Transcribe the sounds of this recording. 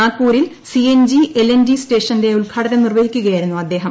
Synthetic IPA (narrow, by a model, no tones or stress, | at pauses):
aːkːuːɾil | siend͡ʑiʔelend͡ʑisʈe̞ːʂɐnde̞uɭkʰaːʈɐðɐnirʋɐhikʲːuɣɐjaːjɾunːuɐd̪ːe̞ːɦɐm